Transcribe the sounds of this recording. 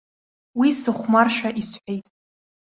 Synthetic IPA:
wisɨχʷmarʃᶣaʔisħʷᶣejtʼ

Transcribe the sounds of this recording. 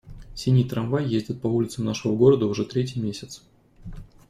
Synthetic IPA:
sʲinʲijt̪ɾɐnvajːezʲdʲɪt̪̚pɐulʲɪt̪səmnaʂəvəɡo̞ɾəd̪əʊʐɛt̪ɾʲet̬ʲɪjmʲesʲɪt̪s

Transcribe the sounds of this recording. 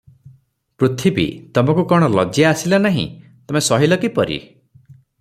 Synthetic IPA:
pɾut̪ʰibḭt̪ɔmɔkukɔɽ̃ɔlɔ̰d͡ʒijaːsilanaɦḭ̃t̪ɔmesɔɦilɔkipɔɾḭ

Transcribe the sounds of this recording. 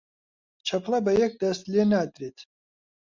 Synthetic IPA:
t͡ʃʰɐpʰlˠɐbɐjɛk̚d̪ɐst̪leːnaːd̪ɾeːt̪ʰ

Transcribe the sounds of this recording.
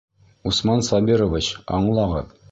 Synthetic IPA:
usmɑnsɑbʲiɾovʲit͡ɕɑ̰ɴlˠɑʁɤ̰

